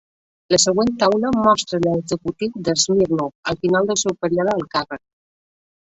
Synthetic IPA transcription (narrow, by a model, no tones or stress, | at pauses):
ləsəɣwent̪awləmɔst̪ɾələɡzəkut̪iwd̪əzmiɾnoəlˠfinalˠd̪əlˠsɛwpəɾiɔðəːlˠkarə